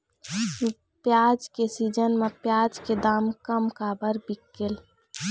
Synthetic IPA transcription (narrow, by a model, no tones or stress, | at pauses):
pjaːd͡ʒkesiːd͡ʒənmẽpjaːd͡ʒked̪aːmkəmkabəɾbɪkːel